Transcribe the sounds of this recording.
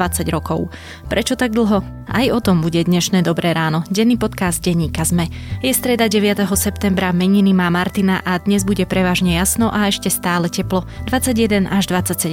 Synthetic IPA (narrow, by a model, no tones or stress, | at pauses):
at͡saɟɾɔkɔʊ | pɾʔɛt͡ʃɔt̪aɡ̚d̪l̩ˠɦɔ | a̰jɔt̪ɔmbuɟɛd̪ɲɛʃnɛːd̪ɔbɾɛːɾaːnɔɟɛnːipɔt̪kazd̪̚ɟɛɲːiːkazmɛjɛst̪ɾɛd̪aɟɛʋɪat̪ɛɦɔsɛpt̪ɛmbɾamɛɲinimaːmaɾt̪inaʔad̪ɲɛzbuɟɛpɾɛʋaːʒɲɛjasnɔʔaɛʃcɛst̪aːlɛcɛplɔd̪ʋat͡sːaɟɪjɛd̪ɛnʔaʒd̪ʋat͡sːacsɛɛ